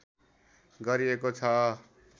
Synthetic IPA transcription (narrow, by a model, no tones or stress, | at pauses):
ɡʌɾiekot͡sʰʌ